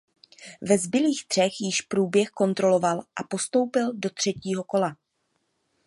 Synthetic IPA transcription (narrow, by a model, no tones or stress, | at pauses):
vɛzbɪliːxt̪r̝̥ɛxjɪʃpɾuːbjɛxko̞nt̪ɾo̞lo̞valʔa̰po̞st̪o̞wpɪldo̞t̪r̝̥ɛciːɦo̞ko̞la